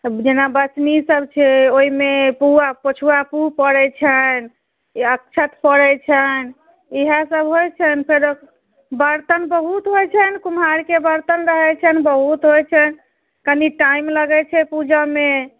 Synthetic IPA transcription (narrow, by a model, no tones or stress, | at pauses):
d͡ʒenabət͡ʃnisəbt͡ʃʰɛoimepuapət͡ʃʰuapupəɽɛt͡ʃʰən | əkt͡ʃʰət̪pəɽɛt͡ʃʰən | iɦəsəbɦojt͡ʃʰənpʰeɾək | bəɾt̪ənbəɦut̪ɦojt͡ʃʰənkumɦaɾkebəɾt̪ənɾəɦɛt͡ʃʰənbəɦut̪ɦojt͡ʃʰɛn | kəniʈaimləɡɛt͡ʃʰɛpud͡ʒame